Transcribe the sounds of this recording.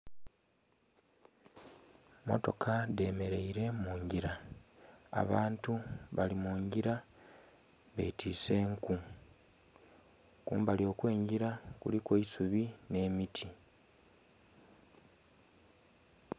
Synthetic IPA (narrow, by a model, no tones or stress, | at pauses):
mo̞̰to̞̰kʰade̞ːme̞ɾe̞iɾe̞muːɲɟiɾa | a̰βaːntuβalimuːɲɟiɾa | βḛtʰiːse̞ːŋku | kṵːmbalio̞ːkwe̞ːɲɟiɾakṵlikweisuβine̞ːmitʰi